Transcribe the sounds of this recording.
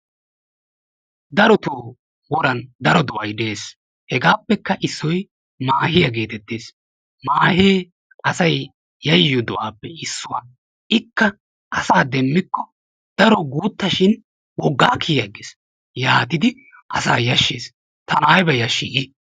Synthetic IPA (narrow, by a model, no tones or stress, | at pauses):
d̪ɐɾɔt̪uː | wɔɾɐnd̪ɐɾɔd̪ɔʔɐjd̪e̞ːs | hɛɡaːpːɛkːɐʔɪsːɔj | maːhɪjɐɡe̞ːt̪ɛt̪ːeːs | maːheː | ɐsɐj | jɐjːɔd̪ɔʔaːpːɛɪsːʊwa | ʔɪkːɐ | ʔɐsaːd̪ɛmːɪkːɔ | d̪̥ɐɾɔɡuːt̪ːɐʃɪn | wɔɡːaːkʰijjɐɡɪs | jaːt̪ɪd̪ɪ | ʔɐsa̰ːjɐʃːeːs | t̪ɐnaːjbɐjɐʃiːkʼɪ